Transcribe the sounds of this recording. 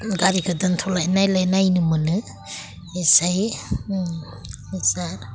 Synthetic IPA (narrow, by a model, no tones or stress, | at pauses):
ɡaɾikʰɯdɯntʰɔlajnajlajnajnɯmɯnɯ | esaj | isaɾ